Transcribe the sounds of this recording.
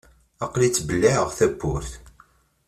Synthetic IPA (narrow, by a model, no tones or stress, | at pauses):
ɑqlit͡sːbəlːɪʕəʁθæbːʊɾθ